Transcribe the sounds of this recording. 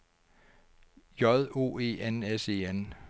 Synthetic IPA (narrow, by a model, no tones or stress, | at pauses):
jɒðˠo̝̰ːe̝̰ːenese̝̰ːen